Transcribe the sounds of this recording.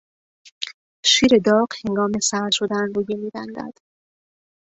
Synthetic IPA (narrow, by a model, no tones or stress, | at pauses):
ʃiːɾe̞d̪ɒːɢhe̞ŋɡɒːme̞sæʃod̪ænruːjemiːbæ̰nd̪æ̰d̪̥